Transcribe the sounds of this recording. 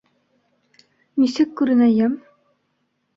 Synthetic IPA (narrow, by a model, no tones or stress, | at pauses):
misɘkːʉɾɘ̆næjæm